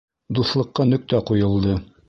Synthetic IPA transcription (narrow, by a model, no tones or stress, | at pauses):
d̪uθlˠɤ̆qːɑnɵ̆k̚t̪æqujɤ̆lˠd̪ɤ